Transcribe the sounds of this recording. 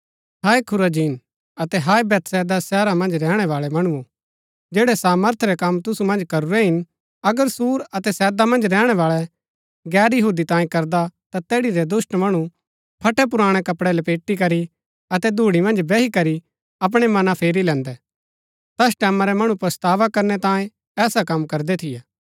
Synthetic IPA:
ɦaːikʰʊɾad͡ʒiːn | ɐt̪ɛɦaːibɛt̪sɛːd̪asɛːɾamɐ̃nd͡ʒɾɛːɽ̃ɛʋaːɭɛmɐɽ̃uu | d͡ʒeːɽɛsaːməɾt̪ʰɾɛkɐmt̪ʊsumɐ̃nd͡ʒkɐɾuɾɛɦɪn | ɐɡəɾsuːɾɐt̪ɛsɛːd̪amɐ̃nd͡ʒɾɛːɽ̃ɛʋaːɭɛ | ɡɛːɾjɐɦuːd̪it̪ãːĩkɐɾd̪at̪at̪ɛːɽiɾɛd̪ʊsʈmɐɽ̃u | pʰɐʈʰɛp̬ʊɾaːɽ̃ɛkɐpɽɛlɛpeːʈːikɐɾi | ɐt̪ɛd̪ʱuːɽ̃imɐ̃nd͡ʒbɛɦikɐɾi | ɐp̬ɽ̃ɛmɐnapʰeːɾilɛ̃ːnd̪ɛ | t̪ɐsʈɛːmãɾɛmɐɽ̃upɾɐst̪aːʋakɐɾnɛt̪ãːjẽ | ɛːsakɐmkɐɾd̪ɛt̪ʰɪjaː

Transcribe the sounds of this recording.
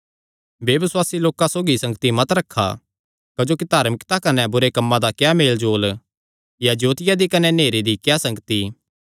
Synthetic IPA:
beʋɪswaːsiloːkãsoːɡisɐ̃ŋɡt̪imɐt̪ɾɐkʰːa̰ | kɐd͡ʒoːkid̪aːɾmɪkt̪akɐnɛbʊɾekɐmːãd̪akjameːld͡ʒoːl | jad͡ʒoːt̪ɪjad̪ikɐnɛneːɾid̪ikjasɐ̃ŋɡət̪i

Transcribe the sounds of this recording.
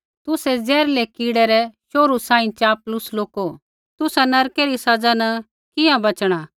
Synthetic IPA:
t̪ʊsɛd͡zɛːɾlɛkiːɽɛɾɛʃoːɾusãːĩt͡ʃaːplʊsloːko | t̪ʊsanɐɾkɛɾisɐd͡zanɐ | kɪjãbɐt͡ʃɽ̃aː

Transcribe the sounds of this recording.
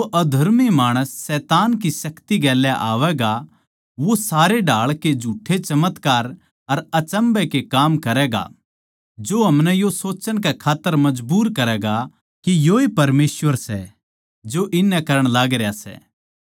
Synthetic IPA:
oʔɐd̪ʱɐɾmimaːɽ̃əsːɛːt̪aːnkisɐkt̪iɡɛːljaʔaːʋɛɡa | ʋosaːɾeɖʱaːɭked͡ʒʱuːʈʰːet͡ʃɐmət̪kaːɾ | ɐɾɐt͡ʃə̃mbɛkekaːmkɐɾɛːɡa̰ | d͡ʒoɦɐmnɛjosoːt͡ʃəɽ̃kɛkʰaːt̪ːəɾmɐd͡ʒbuːɾkɐɾɛːɡa | kijoipɐɾmeːsʋəɾsɛ̰ | d͡ʒoʔɪnːɛkɐɾəɽ̃laːɡɾejasɛ̰ː

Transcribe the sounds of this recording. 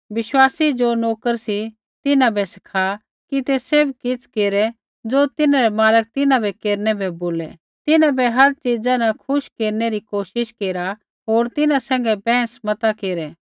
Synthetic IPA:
ʋɪʃwaːsid͡ʒonoːkəɾsi | t̪ɪnãbʱɛsɪ̥kʰa | kit̪eseːbkɪt͡sʰkeːɾɛ | d͡zoːt̪ɪnãɾɛmaːlək̚t̪ɪnãbʱɛkeːɾnɛbʱɛboːlɛ | t̪ɪnãbɛɦɐɾt͡ʃid͡zanakʰʊʃkeːɾneɾikoːʃɪʃkeːɾa | ɦoːɾt̪ɪnãsɛ̃ːŋ̆ɡɛbɛ̃ːsmɐt̪akeːɾɛː

